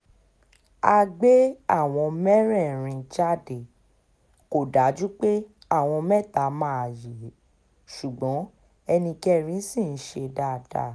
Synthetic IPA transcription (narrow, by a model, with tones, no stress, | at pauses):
a˧ɡ͡be˦a˦˨w̃ɔ̃˧mɛ˦ɾɛ̃˦˨ɾ̃ĩ˧d͡ʒa˦˨de˨ | ko˨da˨˦d͡ʒu˦k͡pe˦ | a˦˨w̃ɔ̃˧mɛ̃˦˨ta˨˦mãː˦a˨je˨˦ | ʃu˨ɡ͡bɔ̃˨˦ | ɛ˧nĩ˧kɛ˦ɾ̃ĩ˨˦sĩ˦˨n̩˦ʃe˧da˦˨d̥a̰˦˨